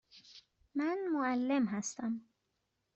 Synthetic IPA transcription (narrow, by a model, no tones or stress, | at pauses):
manmoalːemɦast̪am